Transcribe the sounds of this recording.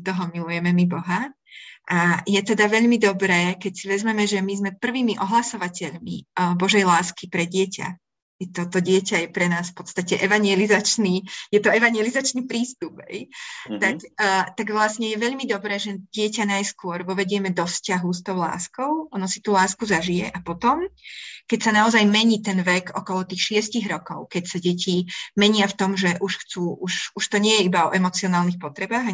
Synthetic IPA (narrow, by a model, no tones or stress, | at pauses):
t̪ɔɦɔmilujɛmɛmibɔɦa | ʔajɛt̪ɛd̪aʋɛʎmid̪ɔbɾɛːkɛcsiʋɛzmɛmɛʒɛmizmɛpr̩ʋiːmiʔɔɦlasɔʋacɛʎmḭbɔʒɛjlaːskipɾɛɟɪɛca̰ | jɛt̪ɔt̪ɔɟɪɛcajɛpɾɛnaːsfpɔt̪st̪acɛʔɛʋaɲɪɛlizat͡ʃniːjɛt̪ɔɛʋaɲjɛlizat͡ʃniːpɾiːst̪upɦɛ̰jt̪akːt̪aɡʋlasɲɛjɛʋɛʎmid̪ɔbɾɛːʒɛɟɪɛcanajskʊɔɾʋɔʋɛɟɪɛmɛd̪ɔfscaɦust̪ɔʊla̰ːskɔʊɔnɔsi̥t̪uːlaːskuzaʒijɛʔapɔt̪ɔmkɛcsanaɔzajmɛɲiːt̪ɛnʋɛkɔ̰kɔlɔt̪iːxʃɪɛsciɣɾɔkɔʊkɛcsaɟɛcimɛɲɪaft̪ɔmʒɛʔuʃxt͡suːʔuʃuʃt̪ɔɲɪɛjɛibaɔʔɛmɔt͡siɔnaːlnixpɔt̪ɾɛbaːɣa